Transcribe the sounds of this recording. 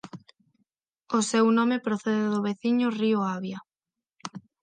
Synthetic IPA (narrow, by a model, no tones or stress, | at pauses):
osewnɔmepɾoθeðɪðʊβeθiɲʊrioaβja